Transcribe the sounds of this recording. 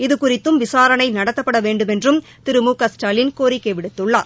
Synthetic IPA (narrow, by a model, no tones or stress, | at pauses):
ɪðɯkʊrɪt̪ːɯmʋɪsaːɾɐnɐɪnɐɽɐt̪ːɐpːɐɽɐʋeːɳɖɯmɛndrɯm | t̪ɪɾɯmuːkɐsʈaːlɪnkoːɾɪkːɐɪʋɪɽɯt̪ːɯɭːaː